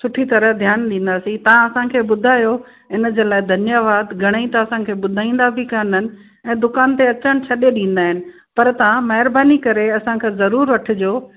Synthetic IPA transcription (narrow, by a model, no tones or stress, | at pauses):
sʊʈʰit̪ɐɾəd̪ʱjaːnɗĩːn̆d̪aːsĩt̪ɐʋ̤ãɐsãkʰeːɓʊd̪ʱaːjo | ɪn̆d͡ʑeːlaːɪd̪ʱɐnjaʋaːd̪ɡʱɐɽ̃aĩt̪aɐsãkʰeːɓʊd̪ʱaːĩːn̆d̪abʱikaɪnənɪ̆ | ɛ̃ːd̪ʊkaːnt̪eɐt͡ɕəñ̆t͡ɕʰɐɗeɗĩːn̆d̪aːɦɪnɪ̆ | pɐɾt̪ɐãmɐɦɪɾbaːnikɐɾeɐsãkʰezɐɾuːɾʋɐʈʰʊ̆d͡ʑoː